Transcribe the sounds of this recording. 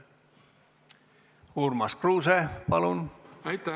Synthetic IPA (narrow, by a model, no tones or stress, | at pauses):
uːrmɑskruːsepɑlunɑjt̪ːæ